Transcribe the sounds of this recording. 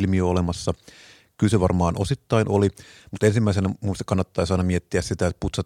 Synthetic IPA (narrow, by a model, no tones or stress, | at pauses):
lmiøolemɑsːɑ | kylseʋɑrmɑːnosit̪ːɑinolimut̪ensimːæˑisenɑmust̪ɑkɑnːɑt̪ːɑisɑˑinɑmiet̪ːiæssit̪æet̪put̪sɑt